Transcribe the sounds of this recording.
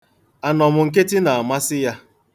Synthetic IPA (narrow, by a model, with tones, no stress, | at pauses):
a˨nɔ˨mʊ˨ŋ̩˨k̬e˦tɪ˦na˨a˨ma˦sɪ˦ja˦